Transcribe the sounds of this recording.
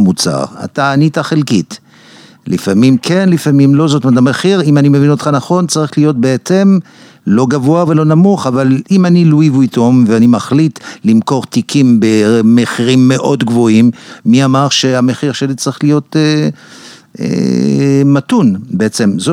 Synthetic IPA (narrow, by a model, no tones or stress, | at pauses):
mut͡sa̰ʁa̰taːnitaχelkit | lifamimkʰe̞nlifamimlo̞zot̪matameχiʁimanimevinot̪χanaχo̞nt͡saʁiχlijo̞t̚beet͡se̞m | lo̞ɡavoavelo̞namuχavalimaniluivuito̞mveanimaχlitlimko̞ʁt̪ikʰimbemeχiʁimːe̞ʔo̞dɡvo̞imːiamaʁʃe̞ameχiʁʃe̞lit͡saʁiχlijo̞te | ḛ | matunbeet͡semzo